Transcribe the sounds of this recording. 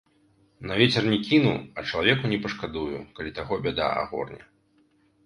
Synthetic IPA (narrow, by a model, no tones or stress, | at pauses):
nɐvʲɛt͡sʲɛrnʲɛkʲinṵɐt͡ʂɐlˠavʲɛkunʲɛpɐʂkad̪ujukalʲit̪aɣɔbʲɛd̪a̰a̰ɣɔ̰rnʲɐ̰